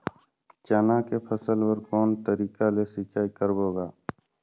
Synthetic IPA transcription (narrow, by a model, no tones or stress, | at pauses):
t͡ʃanakepʰəsəlwəɾkɔːnt̪əɾiːkalesɪt͡ʃaːikəɾboːɡaː